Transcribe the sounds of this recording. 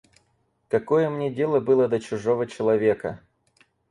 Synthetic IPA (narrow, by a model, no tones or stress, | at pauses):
kɐkojəmnʲedʲe̞lˠəbɨlˠəd̪ət͡ɕʊʐovət͡ɕɪlˠɐvʲe̞kə̰